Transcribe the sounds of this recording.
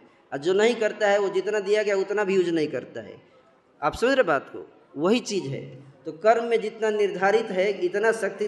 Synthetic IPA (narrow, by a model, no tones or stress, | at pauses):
ad͡ʒoːnɐɦĩkɐɾt̪aɦɛʋod͡ʒɪt̪nad̪ijakjaʊt̪nabʱijud͡ʒnɐɦĩkɐɾt̪a̰ɦɛ̰ | aːpsɐməd̪ɾebaːt̪ko̰ | ʋɐɦit͡ʃiːd͡ʒɦɛ̰t̪okɐɾmːẽd͡ʒɪt̪nanɪɾd̪ʱaːɾɪt̪ɦɛɪt̪naʃɐk̚t̪i